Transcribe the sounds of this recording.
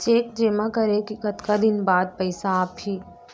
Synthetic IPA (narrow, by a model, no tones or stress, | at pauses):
t͡ʃeːkd͡ʒeːmãkɐɾekikɐt̪kad̪ɪnbaːd̪̚pɐɪsaːpɦiː